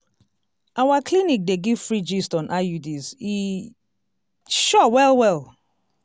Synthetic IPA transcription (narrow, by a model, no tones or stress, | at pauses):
ʔawaklinik̚deɡiv̥fɹid͡ʒistɔ̃nʔajudizi | ʃɔwɛlˠwɛl